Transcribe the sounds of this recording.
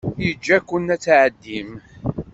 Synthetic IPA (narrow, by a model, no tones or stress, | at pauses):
jəd͡ʒːækːʊnːæt͡sːʕəd̪ːim